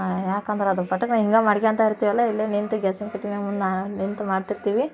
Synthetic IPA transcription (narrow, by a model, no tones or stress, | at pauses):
jaːkɐnd̪ɐɾɐd̪ɐpɐʈːɐkːnãiŋɡaːmɐɽɐkʲaːnt̪aːiɾt̪ːiːʋɐlːɐilːenint̪ɐɡesɐŋkɐʈːimeːmund̪naːnint̪ɐmaːɽt̪iɾt̪iːʋi